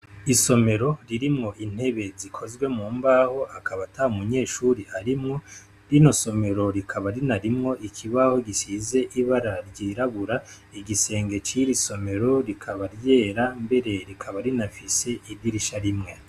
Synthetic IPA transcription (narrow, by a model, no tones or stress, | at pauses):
iso̞me̞ɾo̞ɾiɾimŋo̞ʔin̥he̞βe̞zikʰo̞zɡwe̞mŋuːmbaho̞ʔakʰaβataumuɲe̞ːʃuːɾiaɾimŋo̞ | ɾino̞so̞me̞ɾo̞ɾikʰaβaɾinaɾimŋo̞ʔikʰiβaho̞ɡisize̞ʔiβaɾaɾɟiɾaβuɾa | iɡise̞ːŋɡe̞t͡ʃiɾiso̞me̞ɾo̞ɾikʰaβaɾje̞ːɾambe̞ɾe̞ɾikʰaβaɾinafise̞idiɾiʃaɾimŋe̞